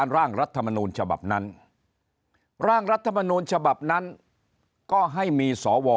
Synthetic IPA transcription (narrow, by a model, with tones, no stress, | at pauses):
nɾaː˥˩ŋɾa˦˥t̪ʰːa˧ma˧nuː˧nt͡ɕʰa˧ba̰˨˩p̚na˦˥n | ɾaː˥˩ŋɾa˦˥t̪ʰːa˧ma˧nuː˧nt͡ɕʰa˧ba˨˩p̚na˦˥n | kɔː˥˩ɦa˥˩jmiː˧sɔː˩˦wɔː˧